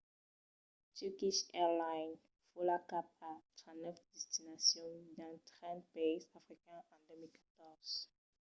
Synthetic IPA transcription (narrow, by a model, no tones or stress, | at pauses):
tykiʃɛʁlajn | fulakap̚at̪χãnɔfd̪ɛst̪inasjɔ̃d̪ɛ̃t̪ʁɛ̃nd̪̚peisafʁikɛ̃ɑ̃d̪ømilkḁt̪ɔʁz̥